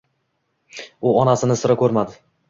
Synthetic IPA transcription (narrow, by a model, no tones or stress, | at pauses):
ʊɒnasɪnɪsɪɾakʲʰɵɾmad̪ɪ